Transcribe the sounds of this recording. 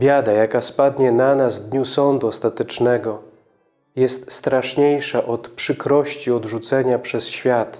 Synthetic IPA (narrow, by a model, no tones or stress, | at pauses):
bʲjad̪ajakaspad̪ɲɛnanazvd̪ɲusɔnd̪uɔst̪at̪ɛt͡ʂnɛɡɔ | jɛst̪st̪ɾaʂɲejʂaʔɔt̪pʂɘkɾɔɕt͡ɕiɔd̪ʐut̪sɛɲapʂɛsɕfʲjat̪